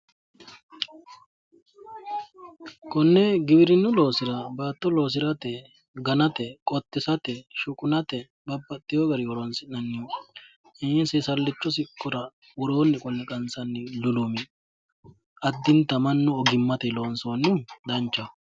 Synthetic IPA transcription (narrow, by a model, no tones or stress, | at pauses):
kɔnːɛɡɪbɪɾɪnːʊlo̞ːsɪɾɐbaːt̪ːɔlo̞ːs̬ɪɾɐt̪ɛ | ɡɐnɐt̪ɛkʼɔt̪ʼːɪsɐt̪ɛʃʊkʼʊnɐt̪ɛ | bɐbːɐt̪ʼːɪjoɡɐɾɪwɔɾoːnsɪnɐnːɪjɔ | ɛsɛsɐlːɪt͡ʃːɔs̬ɪkʼːɔɾɐ | wɔɾo̞ːnːɪkʼɔlːɛkʼɐnsɐnːɪlʊlʊmɪ | ɐd̪ːɪnt̪ːɐmɐnːʊɔɡɪmːɐt̪ɛloːnsoːnːʊd̪ɐnt͡ʃːɐ